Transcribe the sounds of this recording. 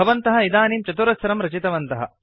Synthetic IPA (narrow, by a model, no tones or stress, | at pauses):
ɐʋɐnt̪ɐɦɐid̪aːniːmt͡ʃɐt̪uɾɐsɐɾɐmɾɐt͡ʃit̪ɐʋɐnt̪ɐɦɐ̰